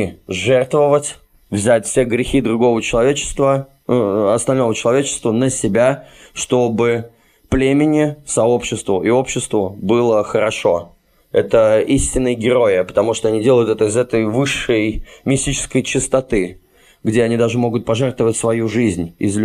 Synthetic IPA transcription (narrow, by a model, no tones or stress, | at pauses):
ʐɛrt̪vəvətʲ | vzʲætʲfsʲeɡɾʲɪxʲid̪ɾʊɡo̞vət͡ɕɪlˠɐvʲet͡ɕɪ̥st̪və | ɐst̪ɐlʲno̞vət͡ɕɪlˠɐvʲet͡ɕɪ̥st̪vənəsʲɪbʲaʂt̪o̞bɨ | plʲemʲɪnʲɪsɐopɕːɪst̪vʊʔɪo̞pɕːɪst̪vʊbɨlˠəxəɾɐʂo̞ | ɛt̪əisʲtʲɪnːəjɡʲɪɾo̞ɪpə̥t̪ɐmuʂt̪oɐnʲidʲelˠəjʊt̪ɛt̪əɪzɛt̪əjvɨʂːəjmʲɪsʲtʲit͡ɕɪ̥skəjt͡ɕɪst̪ɐt̪ɨ | ɡdʲeɐnʲid̪aʐɨmo̞ɡʊt̪̚pɐʐɛrt̪vəvətʲsvɐjuʐɨzʲnʲɪ̰zlʲ